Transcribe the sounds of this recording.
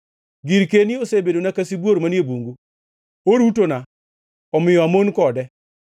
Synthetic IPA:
ɡɪɾkenɪosebedonakasibwoɾmanjebuŋɡu | oɾutona | ɔmɪjɔamonkɔdɛ

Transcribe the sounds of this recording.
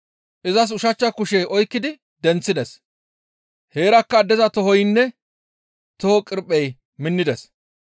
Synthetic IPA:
ʔɪzɐs̬ʊʃɐt͡ʃːɐkʊʃeʔɔjkːɪd̪ɪ | d̪ɛnt͡sːɪd̪ɛs | he̞ːɾɐkːɐd̪ɛzɐt̪ɔɦɔjnːɛ | t̪ɔhɔkʼɪɾpʼːɛj | mɪnːɪd̪ɛs

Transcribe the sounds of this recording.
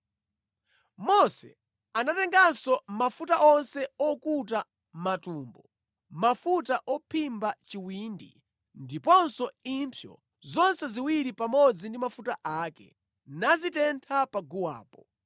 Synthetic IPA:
mɔsɛ̰ | anatɛŋɡansɔmafutaʔɔnsɛɔkut̬a | matuːmbɔ | mafutaʔɔpʰimbat͡ʃiwindḭ | ndipɔnsɔimpʰjɔ̰ | zɔnsɛziwiɾipamɔd͡zindimafutaʔaːkɛ̰ | nazitɛntʰapaɡuwa̰ːpɔ

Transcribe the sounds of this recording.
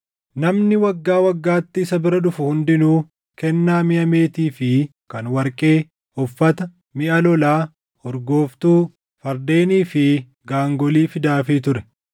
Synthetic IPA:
nɐmnɪwɐɡːaːwɐɡːaːt̪ːɪɪsɐbɪɾɐᶑʊfʊhʊnd̪ɪnuː | kɛnːaːmɪʔɐme̞ːt̪iːfɪ | kɐnwɐɾkʼe̞ː | ɔfːɐt̪ɐ | mɪʔɐlɔlaː | ɔɾɡo̞ːft̪uː | fɐɾd̪e̞ːniːfɪ | ɡaːŋɡɔliːfɪd̪aːfɪt̪ʊɾɛ̥

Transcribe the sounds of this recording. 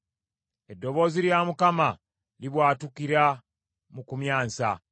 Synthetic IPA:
edːo̞βo̞ːziɾjamukama | liβwaːtukiɾa | mukumjaːnsa

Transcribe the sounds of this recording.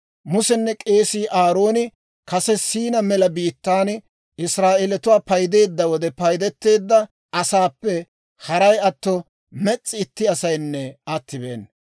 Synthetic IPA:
mʊsɛnːɛkʼe̞ːsiːʔaːɾo̞ːnɪ | kɐsɛsiːnɐmɛlɐbiːt̪ːaːn | ɪsɾaːʔelɛt̪ʊwaːpɐjd̪e̞ːd̪ːɐwɔd̪ɛpɐjd̪ɛt̪ːe̞ːd̪ːɐ | ʔɐsaːpːɛ | hɐɾɐjɐt̪ːɔ | mɛt͡sʼːɪɪt̪ːɪɐsɐjnːɛɐt̪ːɪbeːn

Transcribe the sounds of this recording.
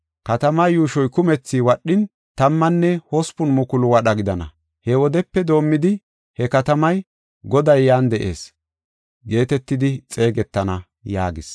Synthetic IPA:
kɐt̪ɐmɐjjuːʃɔjkʊmɛt͡sːiwɐɗːɪn | t̪ɐmːɐnːɛhɔspʊnmʊkʊlʊwɐɗɐɡɪd̪ɐnɐ̰ | hɛwɔd̪ɛpːɛd̪o̞ːmːɪd̪ɪ | hɛkɐt̪ɐmɐj | ɡɔd̪ɐjːaːnd̪ɛʔe̞̰ːs | ɡe̞ːt̪ɛt̪ːɪd̪ɪt͡sʼe̞ːɡɛt̪ːɐnɐ | ja̰ːɡɪs

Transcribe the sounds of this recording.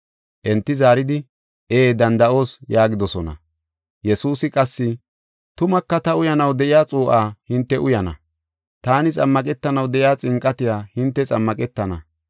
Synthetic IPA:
ʔɛnt̪ːɪzaːɾɪd̪ɪ | eːd̪ɐnd̪ɐʔo̞ːsjaːɡɪd̪ɔsɔnɐ̰ | jɛsuːsɪkʼɐsːɪ | t̪ʊmɐkːɐt̪ɐʊjɐnɐwd̪ɛʔɪjaːt͡sʼuːʔaːhɪnt̪ːɛʔʊjɐnɐ̰ | t̪aːnɪt͡sʼɐmːɐkʼɛt̪ːɐnɐwd̪ɛʔɪjaːt͡sʼɪŋkʼːɐt̪ɪjaːhɪnt̪ːɛt͡sʼɐmːɐkʼɛt̪ːɐnɐ̰

